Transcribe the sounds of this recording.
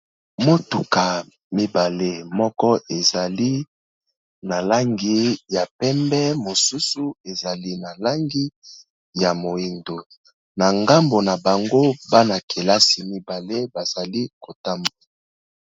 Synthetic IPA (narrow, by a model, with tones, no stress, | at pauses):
mo˦tu˨ka˨ | mi˦ba˨le˦mɔ˦kɔ˦ʔe˨za˨li˦ | na˨la˦ŋɡi˨ja˨pɛ˦mbɛ˦mo˨su˦su˦e˨za˨li˦na˨la˦ŋɡi˦ | ja˨mo˨e˨ndo˨ | na˨ŋɡa˦mbo˨na˨ba˨ŋɡo˦ba˦na˨kʰe˨la˦si˨mi˦ba˨le˦ba˨z̥a˨li˦ko˨ta˦mba˨